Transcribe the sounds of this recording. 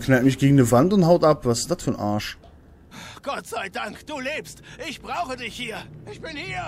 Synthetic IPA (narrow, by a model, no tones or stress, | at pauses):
knaltmɪçɡ̥eːɡŋ̩dəvantʊnthaʊtapv̥asɪsd̥atfyːɐnʔa̰ɐʃ | ɡ̥ɔtz̥aɪdaŋkd̥uːleːpstʔɪçb̥ʁaʊxədɪçhiːɐʔɪçb̥ɪnhiːɐ